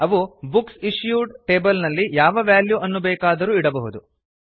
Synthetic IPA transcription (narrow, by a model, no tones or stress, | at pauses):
ɐʋubuksiʂjuːɖʈeːbɐlnɐlːijaːʋɐʋaːljuɐnːubɛːkaːd̪ɐɾuːiɽɐbɐɦud̪u